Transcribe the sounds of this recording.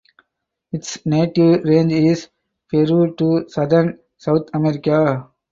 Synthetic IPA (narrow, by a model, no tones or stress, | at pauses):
ɪʈsneːʈiʋɾẽːnd͡ʒɪz | feɾʈusɐd̪əɾn | saʊt̪ʰɐmeɾɪka